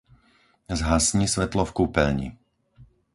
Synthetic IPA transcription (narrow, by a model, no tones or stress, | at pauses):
zɦasɲisʋɛt̪lɔfkuːpɛʎɲḭ